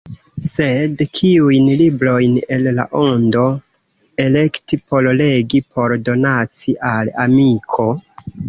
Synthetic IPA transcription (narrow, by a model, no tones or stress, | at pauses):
se̞dkʰiujnlibɾo̞jne̞lla̰ʔo̞ndo̞ | e̞le̞ktipo̞lle̞ɡipʰo̞ɾdo̞nat͡siʔalamikʰo̞